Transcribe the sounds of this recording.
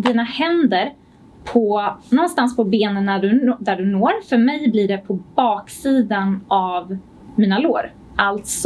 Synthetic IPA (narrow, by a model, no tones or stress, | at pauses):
d̪iːnahɛnd̪əɾ | pʰɔnɔnst̪anspʰɔbeːnənːæɖɵd̪æɖɵnoːɾfœɾmɛjbliɖɛpʰɔbɑːksiːd̪anʔav | miːnaloːɾ | ʔalt̪s